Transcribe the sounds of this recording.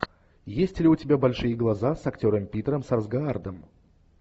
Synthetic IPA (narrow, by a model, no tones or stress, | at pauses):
jesʲtʲlʲɪʊtʲɪbʲabɐlʲʂɨjəɡlˠɐzasɐktʲo̞ɾəmpʲit̪ɾəmsɐrzɡɐard̪əm